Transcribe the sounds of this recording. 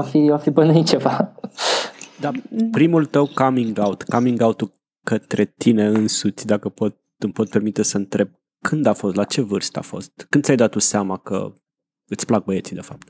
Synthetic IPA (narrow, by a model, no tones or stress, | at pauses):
afiafibənit͡ʃe̞va | d̪apɾimult̪əwkamiŋɡawt̪kamiŋɡaut̪ul | kət̪ɾe̞t̪ine̞ɨnsut̪sʲd̪akəpo̞t̪̚ | ɨmpo̞t̪̚pe̞rmit̪e̞səɨnt̪ɾe̞b̚ | kʰɨnd̪afo̞st̪lat͡ʃe̞vɨrst̪a̰fo̞̰st̪kɨnd̪sʲjajd̪at̪ːuseamakə̰ | ɨt̪sʲplak̚bəje̞t̪sid̪e̞fap̚t̪